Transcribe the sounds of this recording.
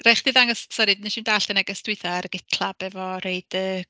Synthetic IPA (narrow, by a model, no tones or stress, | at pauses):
rajχd̥iðaŋɔssɔɾidɪniʃɪndaːɬd̥ənɛɡəstɪɨθaɾɡɪtʰlˠab̥ɛvɔreɨd̥ə